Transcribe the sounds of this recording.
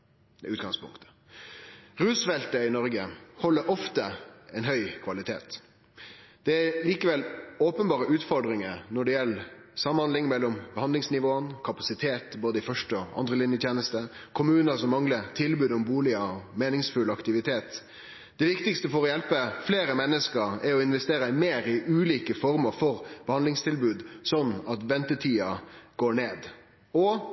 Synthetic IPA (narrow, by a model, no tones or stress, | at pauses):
ʉːt̪ɡɑŋspʊ̰ŋkt̪ə̥ | ʁʉːsfɛlt̪əɪnɔɾɡəhɔlːəɾʔɔft̪əɛɪnɦœʏkʰʋɑlɪt̪ʰḛːt̪ | d̪̥ɛæliːkəʋɛloːpənbɑːɾəʉːt̪fɔɾɖɾɪŋəɾnɔɖɛjɛlːsɑməhɑnlɪŋmɛlːɔmbəhɑnd̪ɪŋsnɪʋoːənkʰɑpɑsɪt̪ʰeːt̪boːd̪əɪfœʂʈəɔɑ̰nd̪ʁəlɪnjət̪ʰjeːnəst̪əkʰʊmʉːnəsɔmːɑŋlət̪ʰɪlbʉːd̪ɔmbuːlɪəmeːnɪŋsfʉlɑkt̪ɪʋɪt̪ʰeːt̪ | d̪ɛʋɪkt̪ɪkst̪əfɔɾɔjɛlpəfleːɾəmɛnːəskəɾɛɾɔɪnʋɛst̪eːɾəɪmeːɾɪʔʉːliːkəfɔɾməfɔɾb̥əhɑnlɪŋst̪ʰɪlbʉːd̪sɔnːɑt̪ʋɛnt̪ət̪ʰiːɑɡ̥oːɳeːd̪ | ɔ